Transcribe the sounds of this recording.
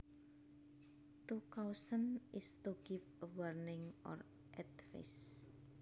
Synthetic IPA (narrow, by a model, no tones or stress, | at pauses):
t̪ukawsənʔɪst̪uɡ̥ɪfwərnɪŋʔɔ̰r | ʔɛt̪fɪ̰s